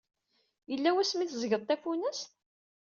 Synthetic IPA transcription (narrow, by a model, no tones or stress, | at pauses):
jəlːæwæsːmiθzɡəðˤt̪æfunæst̪